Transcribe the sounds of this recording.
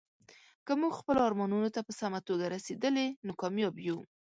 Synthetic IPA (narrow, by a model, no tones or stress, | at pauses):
kəmuɡxpəloɑɾmɑnunot̪apəsamat̪oɡaɾased̪əlenokɑmjɑbju